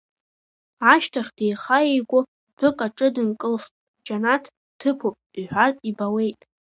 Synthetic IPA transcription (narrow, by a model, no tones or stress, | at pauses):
aʃtʰaχʲdejχajejɡʷʼʊ | bʊkʼaʈ͡ʂʼɨdɨnkʼɨlstʼ | d͡ʒanatʰ | tʰːɨpʰopʼiħʷᶣartʼibawe̞jtʼ